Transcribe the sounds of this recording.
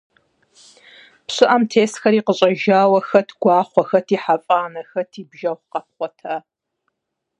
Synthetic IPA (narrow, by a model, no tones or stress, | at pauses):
pɕɨʔɐmtʰeːsxɐɾiːqəɕʼɐʒaːwɐxɐtʰɡ̥ʷɑːχʷɔxɐtʰiːħafʼaːnɐxɐtʰiːbʒɐχqɐp̚χʷɔtʰɐ